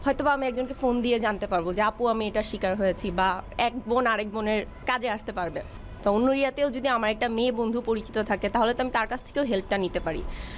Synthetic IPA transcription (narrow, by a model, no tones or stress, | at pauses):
hɔet̪obaamiɛk̚d͡ʑonkefond̪ied͡ʑant̪epaɾbod͡ʑeapuamieʈaʃikaɾɦojet͡ɕʰibaɛk̚bonaɾek̚boneɾ | kad͡ʑeaʃt̪epaɾbe | t̪ɔonːoɾiat̪eod͡ʑod̪iamaɾɛk̚ʈameːbond̪ʱupoɾit͡ɕi̥t̪ot̪ʰaket̪aɦolet̪amit̪aɾkat͡ɕʰt̪ʰe̥kewɦelp̚ʈanit̪epaɾḭ